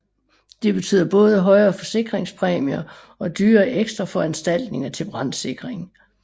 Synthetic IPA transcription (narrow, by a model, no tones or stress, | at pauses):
d̥e̝b̥e̝t͡sʰy̰ːð̰ˠɐb̥ɔ̽ːð̞ˠəɦɒ̽ɪɐːfɒ̽se̝ɡ̥ʁeŋspʰʁɛːmiɐ | ɒ̽d̥yːɐːʔeɡ̥sd̥ʁɐfɒ̽ænsd̥æl̰d̥ne̝ŋɐt͡sʰe̝b̥ʁɑ̈n̰se̝ɡ̥ʁeŋ